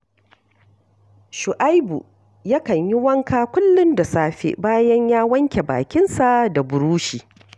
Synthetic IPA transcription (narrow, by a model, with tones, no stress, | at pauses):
ʃʊ˨ʔa˦jbṵ˨ | ja˦kɐ˨ɲji˦wɐ˦ŋkaː˦kʷʊ˦lːʊ˦nda˨saː˦ɸḛ˦˨baː˦jɐ˦ɲjaː˦wɐ˦ŋkʲe˨ba̰ː˨kʲɪ˦nsa˨da˨bʊ˨ɾuː˦ʃiː˨